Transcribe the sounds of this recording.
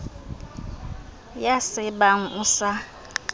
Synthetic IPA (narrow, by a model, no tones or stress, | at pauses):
jasɪbaŋ̩ʔusa